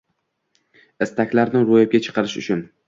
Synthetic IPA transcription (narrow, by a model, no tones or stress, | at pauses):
ɪst̪ʰakʲlaɾnɪɾojap̚ɡʲat͡ʃʰɨ̥qʰɑɾɪʃʊt͡ʃʰʊn